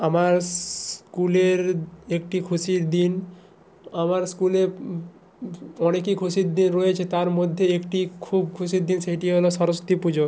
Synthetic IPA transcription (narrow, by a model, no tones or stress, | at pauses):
amaɾskuleɾek̚ʈikʰusiɾd̪in | amaɾskule | ɔnekikʰuʃiɾd̪inɾɔjet͡ɕʰet̪aɾmod̪ʱːeekʈikʰubkʰusiɾd̪inʃeʈiɦoloʃɔɾost̪ipud͡ʑo